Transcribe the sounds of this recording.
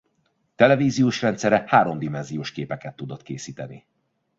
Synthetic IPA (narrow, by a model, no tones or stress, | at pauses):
t̪ɛlɛviːzijoːʃrɛnt̪sɛɾɛhaːɾo̞md̪imɛnzijoːʃkeːpɛkɛt̪ːud̪ot̪keːsiːt̪ɛni